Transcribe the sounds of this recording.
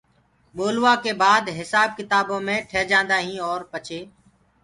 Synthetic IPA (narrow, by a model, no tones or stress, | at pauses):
ɓoːlʋaːkeːbaːd̪ɦɪsaːb̚kɪt̪aːbõːmẽːʈʰəːd͡ʒãːnd̪aːɦĩːɔːɾpət͡ʃʰeː